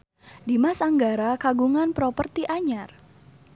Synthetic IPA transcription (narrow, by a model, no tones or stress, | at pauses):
dimasaŋɡaɾakaɡuŋanpɾɔpərt̪iʔaɲar